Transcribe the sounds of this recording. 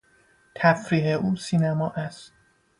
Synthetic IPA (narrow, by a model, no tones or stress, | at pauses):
t̪ʰæfɾiːheʔuːsiːnæmɒːʔæst̪̚